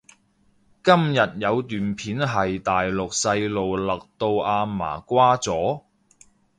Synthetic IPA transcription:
kɐ˥mjɐ˨t̚jɐ˨˧wt̪yː˨npʰiː˨˥nɦɐ˨jt̪aː˨jlʊ˨k̚sɐ˧jlo˨wlɐ˨k̚t̪o˧wʔaː˧ma̰ː˨˩kʷaː˥t͡sɔː˨˥

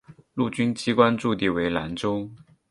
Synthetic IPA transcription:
lu˥˩t͡ɕy˥nt͡ɕi˥kwa˥nʈ͡ʂu˥˧t̪i˥˩we˧˥ɪla˧˥nʈ͡ʂʊ˥ŋ

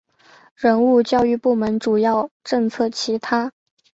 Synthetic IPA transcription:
ɻə˧˥nu˥˧t͡ɕjɑ˥˧ʊy˥˧pu˥˩mə˧˥nʈ͡ʂu˨˩jɑ˥˩ʊʈ͡ʂɤ˥˧ŋt͡sʰɤ˥˩t͡ɕʰi˧˥t̪ʰa˥

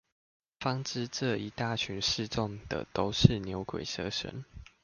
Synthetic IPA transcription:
fɑ˥˦ŋʈ͡ʂɻ̩˦ʈ͡ʂə˥˨i˧˥t̪a˥˨˩t͡ɕʰy˨˥nʂɻ̩˥˧ʈ͡ʂɔ˥˩ŋd̪̥ə̰˨t̪o˥ʊʂɻ̩˥˨njo˧˥ʊkwḛ˨˩ɪsɤ̰˥˧ʂə̰˧˦n

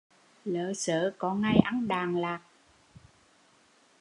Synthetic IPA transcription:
lə̰ː˧˨səː˧˨kɔ˧˦ŋa˧jʔa˨˧˦nɗaː˨˩ŋlaː˨˩k̚

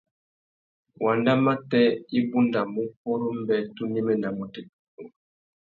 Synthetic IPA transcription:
wa˨nda˦ma˦tɛ˦i˦bu˦nda˨mu˦p̚ɔ˦ɾɔ˦m˦bɛ˨tu˦ni˦mɛ˦na˨mɔ˨tɛ˦k̚ɔ˨

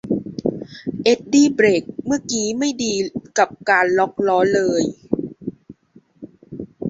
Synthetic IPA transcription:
ʔe˦˥t̪̚diː˧˩bɾeː˨˩k̚mɯ˥˩ɐkiː˨˦ma˥˩jdiː˧ka˨˩p̚kaː˧nlɔ˦˥k̚lɔː˦˥lɤː˧j

